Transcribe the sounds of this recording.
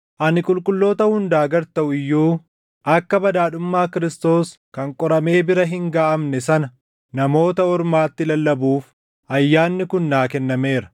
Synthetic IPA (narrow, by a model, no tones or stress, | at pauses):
ʔɐnɪkʼʊlkʼʊlːo̞ːt̪ɐhʊnd̪aːɡɐɾt̪ɐʔʊɪjːuː | ʔɐkːɐbɐd̪aːᶑʊmːaːkɪɾɪst̪o̞ːs | kɐŋkʼɔɾɐme̞ːbɪɾɐɦɪŋɡaːʔɐmnɛsɐnɐ | nɐmo̞ːt̪ɐɔɾmaːt̪ːɪlɐlːɐbuːf | ʔɐjːaːnːɪkʊnːaːkɛnːɐme̞ːɾɐ̥